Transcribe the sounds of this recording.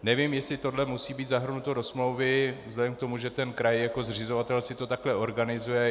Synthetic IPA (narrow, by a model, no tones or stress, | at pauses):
nɛvɪmjɛsɪt̪o̞dlɛmusiːbiːt̪zaɦr̩nut̪odo̞smlowvɪvzlɛdɛmk̚t̪o̞muʒɛt̪ɛnkɾajjako̞zr̝ɪzo̞vat̪ɛlsɪt̪o̞t̪aklɛʔo̞ɾɡanɪzujɛ